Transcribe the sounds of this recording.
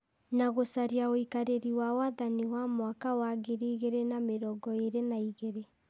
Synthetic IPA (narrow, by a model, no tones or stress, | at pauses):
naɣosaɾiaoikaɾeɾiwawaðaniwamwakawaɣeɾiːɣeɾenameɾɔɡɔeɾenaiɣeɾe